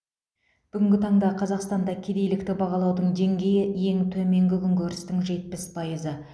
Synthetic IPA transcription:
b̥ʏɡʲɪŋɡʲɪt̪ʰɑɴd̪ɑqʰɑzɑqst̪ɑnd̪ɑkʲʰe̞d̪e̞jlɪkt̪ɪbɑʁɑlˠɑwd̪əɴd̪e̞ŋɡʲe̞jɪje̞ŋt̪ʰɵme̞ŋɡʲɪkʲʰʏŋkʲʰɵɾɪst̪ɪŋʒe̞t̪̚pɪspʰɑjəzə

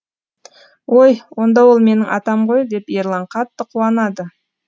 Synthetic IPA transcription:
wo̞jwo̞nd̪ɑwo̞lˠme̞nɪŋʔɑt̪ɑmʁo̞jd̪e̞peɾlˠɑɴqʰɑt̪ːəqʰuwɑnɑd̪ə

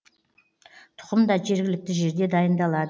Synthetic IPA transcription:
t̪ʰʊ̥qəmd̪ɑʒe̞ɾɡʲɪlɪk̚t̪ɪʒe̞ɾd̪e̞d̪ɑjənd̪ɑlˠɑd̪ə

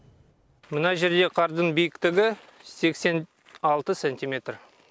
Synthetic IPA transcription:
mənɑʒe̞ɾd̪e̞qʰɑɾd̪ənbijɪkt̪ɪɡʲɪse̞kse̞n | ɑlˠt̪əsenʲt̪imʲe̞t̪r

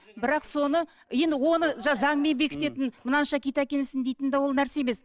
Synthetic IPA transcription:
bɪɾɑqso̞nə | je̞nd̪ɪwo̞nəʒɑzɑɴme̞nbe̞kʲʰɪt̪e̞t̪ɪnmənɑnʃɑkʲejt̪ækʲe̞nɪsɪnd̪ejt̪ɪnd̪ewo̞lˠnæɾse̞jeme̞s

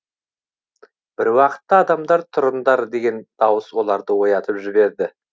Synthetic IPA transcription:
b̥ɪɾwɑqə̥t̪ːɑːd̪ɑmd̪ɑɾt̪ʰʊɾənd̪ɑɾd̪e̞ɡʲe̞nd̪̥ɑwəswo̞lˠɑɾd̪əwo̞jɑt̪əpʒɪbe̞ɾd̪ɪ

